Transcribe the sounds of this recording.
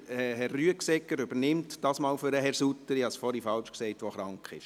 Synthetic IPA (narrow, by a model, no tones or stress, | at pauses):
ɛhɛrːyəksɛkːəɾʏbənɪmtd̥ɑsmɑːlfʏɾəɦɛɾsutːəɾihɑsfɔɾifɑlt͡ʃksɛɪtʋɔχɾɑŋkχɪ̰ʃ